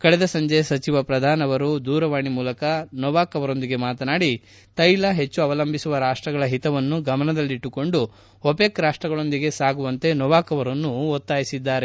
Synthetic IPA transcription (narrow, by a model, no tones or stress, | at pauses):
kɐɽɛd̪ɐsɐɲd͡ʒejsɐt͡ʃiʋɐpɾɐd̪ʱaːnɐʋɐɾud̪uːɾɐʋaːɳimuːlɐkɐnɔʋaːkɐʋɐɾo̞nd̪iɡe̞maːt̪ɐnaːɽi | t̪ɐjlɐɦe̞t͡ʃːuɐʋɐlɐmbʱisuʋɐɾaːʂʈɾɐɡɐɭɐɦit̪ɐʋɐnːuɡɐmɐnɐd̪ɐlːiiʈːuko̞ɳɖu | opekɾaːʂʈɾɐɡɐɭo̞nd̪iɡe̞saːɡuʋɐnt̪e̞nɔʋaːkɐʋɐɾɐnːuot̪ːaːjisid̪ːaːɾe